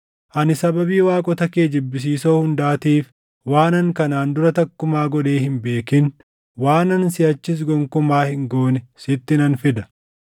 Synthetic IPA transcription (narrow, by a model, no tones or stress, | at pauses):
ʔɐnɪsɐbɐbiːwaːkʼɔt̪ɐkeːd͡ʒɪbːɪs̬iːso̞ːhʊnd̪aːt̪iːf | waːnɐŋkɐnaːnd̪ʊɾɐt̪ɐkːʊmaːɡɔᶑe̞ːhɪmbe̞ːkɪn | waːnɐnsɪɐt͡ʃːɪs̬ɡɔŋkʊmaːhɪŋɡo̞ːnɛsɪt̪ːɪnɐnfɪd̪ɐ̥